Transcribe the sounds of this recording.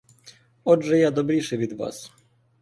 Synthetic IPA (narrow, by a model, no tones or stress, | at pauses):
ɔdʐɛjad̪ɔbɾʲiʂɨvʲid̪va̰s